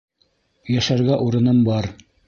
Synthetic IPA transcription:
jæʃæɾɡæʔuɾɤ̆nɤmbɑɾ

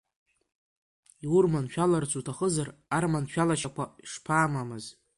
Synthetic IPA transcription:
iurmanʃᶣalart͡sʰutʰaχəzararmanʃᶣalaʃakʷʰaiʂpʰaːmamɨz

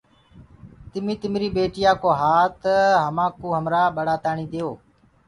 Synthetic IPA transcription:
t̪ɪmiːt̪ɪmɾiːɓeːʈɪjaːkoːɦaːt̪ɦəmãːkuːɦəmɾaːɓəɽaːt̪aːɳiːd̪ejoː

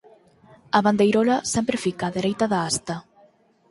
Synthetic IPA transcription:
aβand̪ejɾolasɛmpɾefikaðeɾejt̪aðaast̪a

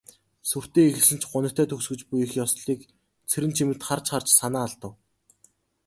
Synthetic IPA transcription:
sur̥t̪eːixɘ̆ɮɘ̆n̥t͡ɕɢʊnə̆kt̪ʰœːt̪ʰɵksɡɘ̆t͡ɕpujɘ̆xjɔsɮiːk | t͡sʰeɾɘ̆nt͡ɕʰimɘ̆t̪χart͡ɕχart͡ɕsanaːɮt̪ə̆w

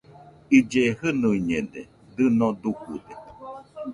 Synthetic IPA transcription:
id͡ʒehɨnuiɲed̪e | d̪ɨnod̪ukud̪e

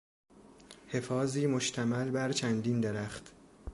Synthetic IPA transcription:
he̞fɒːziːmoʃt̪ʰæmælbæɾt͡ʃʰænd̪ind̪eɾæχt̪

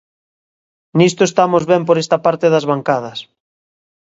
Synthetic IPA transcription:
nist̪oest̪amozβɛmp̬oɾest̪apaɾt̪eðazβaŋkað̞ɐs

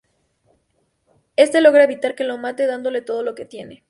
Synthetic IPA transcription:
e̞st̪e̞lo̞ɣɾaeβit̪aɾke̞lo̞mat̪e̞ðand̪o̞le̞t̪o̞ð̞o̞lo̞ke̞t̪je̞ne̞

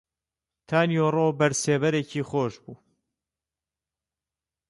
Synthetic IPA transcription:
t̪ʰaːnjoːroːbɐɾseːbɐɾeːcʰiːχoːʃbuː

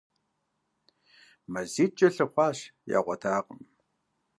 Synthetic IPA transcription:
mɐziːt͡ʃʼɐɬɨχʷɑːɕja̰ːʁʷɔtʰaːqʼəm

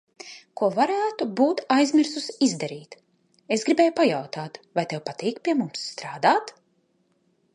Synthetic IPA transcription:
kuɔvaɾɛjaːt̪ubuːt̪ajzmʲiɾsusizd̪aɾiːt̪ | esɡɾibʲeːjupajawt̪aːt̪vajt̪ɛwpat̪iːkpʲiɛmumsːt̪ɾaːd̪aːt̪

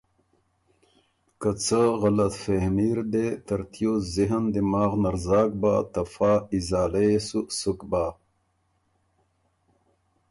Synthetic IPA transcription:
kət͡səɣɐlɐt̪fehmiːɾd̪et̪ɐɾt̪ʰjoːziɦənd̪imaːɣnɐɾzaːɡ̚baːt̪ɐfaːizaːleesusukbaː

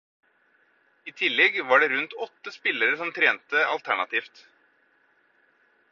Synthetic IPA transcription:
iːt̪ʰɪlːɛɡʋɑːɖɛɾʉnt̪ɔt̪ːəspɪləɾəsɔmt̪ʰɾeːnt̪əɑ̰lt̪ʰæɳɑt̪ʰiːft̪

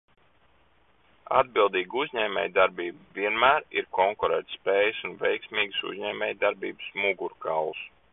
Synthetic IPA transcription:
a̰d̪̚bilˠd̪iːɡuzʲɲɛːmʲɛ̰ːjd̪aɾbiːbviɛnmæːɾiɾkɔŋkuɾɛ̰ːt̪spɛːjsunvɛjksmʲiːɡɨsṵzʲɲɛːmʲɛːjd̪aɾbiːbɨsmuɡuɾkalˠus

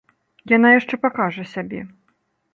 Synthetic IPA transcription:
jan̪ajaʂt͡ʂɛpakaʐɐsʲabʲɛ

